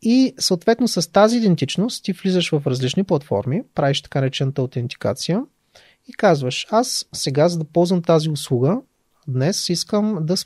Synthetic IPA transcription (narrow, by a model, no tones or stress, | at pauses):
isəʊt̪vɛt̪nosəst̪aziːd̪ɛnt̪it͡ʃnost̪t̪ivlizəʃvɐfɾɐzlit͡ʃniplˠɐt̪fɔ̰ɾmipɾaviʃt̪ɐ̥kanɛt͡ʃɛnət̪əot̪ɛnt̪i̥ka̰t̪sijə | ikazvəʃassɛɡazɐd̪ɐpɔlˠzvəmt̪aziʊslˠuɡə | d̪nɛsiskəmd̪ɐs